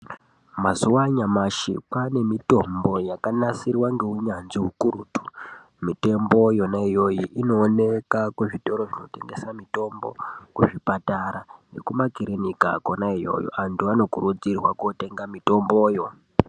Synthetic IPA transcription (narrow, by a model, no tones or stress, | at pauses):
mazuwaɲamaʃḭpane̞mito̞mbo̞jakanasirwaŋɡe̞uɲanʐiukuɾuːtu̥ | mite̞mbo̞jo̞naijo̞jiʔino̞ːne̞kakweʐito̞ɾoʐino̞te̞̰ŋɡe̞samito̞mbo̞̰kuʐipataɾane̞kumakiɾenika̰konaijo̞̰jo̰antuʋano̞kuɾud͡zirwakote̞ŋɡamito̞mbo̞ːjo̞